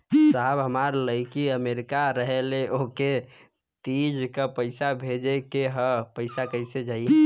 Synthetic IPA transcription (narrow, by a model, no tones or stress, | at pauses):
saɦbɦəmaɾləɪkiəmeɾikaɾəɦeleoke | t̪id͡ʒkəpəɪsabʱed͡ʒekeɦəpəɪsakəɪsed͡ʒaj